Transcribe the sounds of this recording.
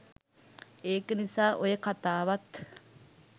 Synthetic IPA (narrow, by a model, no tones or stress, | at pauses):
eːkenisaːʔojekat̪aːʋɐt̪